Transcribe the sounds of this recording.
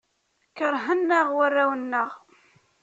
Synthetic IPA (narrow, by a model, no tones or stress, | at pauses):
kəɾˤɦənːəʁwarːawənːəʁ